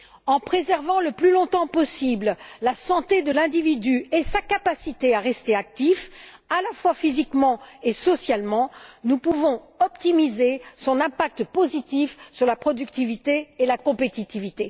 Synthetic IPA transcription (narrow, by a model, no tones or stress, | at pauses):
ɑ̃pχezɛʁvɑ̃ləplylɔ̃t̪ɑ̃pɔsibllasɑ̃t̪ed̪əlɛ̃d̪ivid̪yesakapasit̪eaʁɛst̪eak̚t̪ifalafwafizikmɑ̃esɔsjalmɑ̃nupuvɔ̃ | ɔpt̪imizesɔ̃nɛ̃pak̚t̪pozit̪ifsyʁlapχɔd̪ykt̪ivit̪eːlakɔ̃pet̪it̪ivit̪e